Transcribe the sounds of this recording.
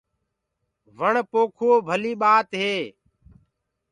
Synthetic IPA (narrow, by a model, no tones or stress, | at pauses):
ʋəɳpoːkʰoːbʱəliːɓaːt̪ɦeː